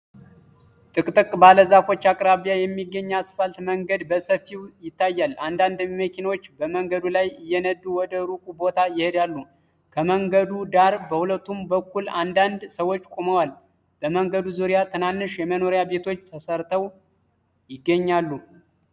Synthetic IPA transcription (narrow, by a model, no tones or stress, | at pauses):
t̪ʼɨkʼt̪ʼɨkʼbaləzafo̞t͡ʃːakʼɾaβijajɛmːiɡːəɲːasfalt̪məŋɡəd̪bəsəfːiwjɪt̪ːajːaland̪and̪məkʰinawot͡ʃːbəməŋɡəd̪ulajɪjːɛnəd̪uwɔd̪əɾukʼubo̞t̪ʰajɪhed̪alːu | kʰəməŋɡəd̪ud̪aɾbəhulət̪ːumbəkːuland̪and̪səwo̞t͡ʃːkʼoməwal | b̥əməŋɡəd̪uzuɾijat̪ʰɨnanːɨʃjɛməno̞ɾjabe̞t̪ʰo̞t͡ʃːt̪ʰəsəɾt̪ʰəw | jɪɡːəɲːalːu